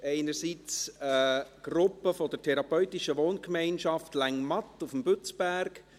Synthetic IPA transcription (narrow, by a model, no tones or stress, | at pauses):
ʔɛɪnəɾsit͡səɡ̥rʊpːəfɔdətʰɛɾɑpœʏtɪʃəʋoːnkmɛɪnʃɑftlæŋmɑtufmbʏt͡sb̥æɾk